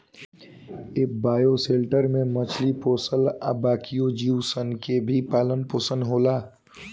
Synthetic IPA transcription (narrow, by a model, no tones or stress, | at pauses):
eːk̚baːjoseːlʈəɾmẽmət͡ʃʰlipoːsəla̰baːkijod͡ʒiːwsənkebʱipaːlənpoːsə̃nɦoːlaː